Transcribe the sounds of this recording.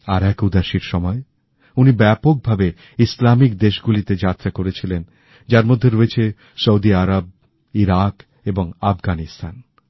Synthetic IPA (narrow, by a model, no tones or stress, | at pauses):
aɾɛkud̪aʃiɾʃɔmɔe | unibɛpok̚bʱabe | islamikd̪eʃɡulit̪ed͡ʑat̪ːɾakoɾet͡ɕʰilen | d͡ʑaɾmod̪ʱːeɾoet͡ɕʰe | soud̪iaɾab̚ | iɾak | eboŋafɡanist̪ʰan